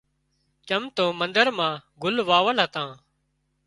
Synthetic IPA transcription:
t͡ʃəmt̪õːmənd̪əɾmãːɡʱʊlʋaːʋəlɦət̪ãː

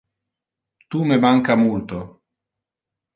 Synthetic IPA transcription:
t̪umemaŋkamult̪o

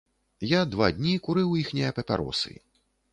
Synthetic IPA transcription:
jad̪va̰d̪ʲnʲikuɾɨwjixnʲijɐpʲɐpʲa̰ɾɔ̰sɨ̰

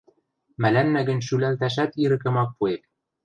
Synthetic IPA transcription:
mælænːæɡɘ̆nʃylælt̪æʃ̬æt̪iɾɘ̆kɘ̆mɑk̚puep̚

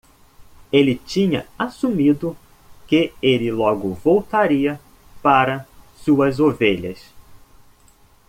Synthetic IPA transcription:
elɪt͡ʃĩɲɐ̰asumid̪ʊ | kɪelɪlɔɡʊvowt̪aɾiɐ | paɾɐsuɐzoveʎɐ̰s

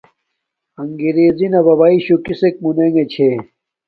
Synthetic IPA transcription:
ɐŋɡiɾeːzinɐbɐβaiɕukisek̚muneŋet͡ɕʰe

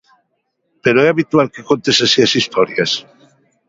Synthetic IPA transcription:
peɾoɛaβit̪walkekont̪esasiasist̪ɔɾjas

